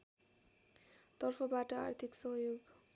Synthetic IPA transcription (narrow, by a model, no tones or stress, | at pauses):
t̪ʌrpʰʌbaʈʌa̰rt̪ʰiksʌɦjoɡ